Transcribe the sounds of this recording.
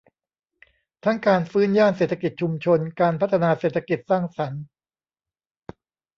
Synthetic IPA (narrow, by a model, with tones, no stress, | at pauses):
t̪ʰa˦˥ŋkaː˧nfɯː˦˥njaː˥˩nseː˨˩t̪ʰːa˧ki˨˩t̪̚t͡ɕʰu˧mt͡ɕʰo˧nkaː˧npʰa˦˥t̪ʰa˧naː˧seː˨˩t̪ʰːa˧˥ki˨˩t̪̚saː˥˩ŋsa˩˦n